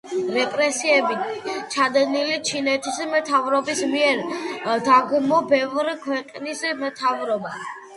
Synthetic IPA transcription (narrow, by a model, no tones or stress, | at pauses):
ɾɛkʼɾɛsiɛbit͡ʃʰad̪ɛnilit͡ʃʰinɛt̪ʰismt̪ʰavɾɔbismiɛɾd̪aɡmɔbɛvɾikʰwɛqʼnismɛt̪ʰavɾɔba